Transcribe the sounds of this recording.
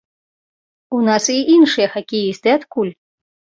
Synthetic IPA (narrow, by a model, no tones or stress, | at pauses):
unasiʔinʂɨjɐxakʲijist̪ɨat̪kulʲ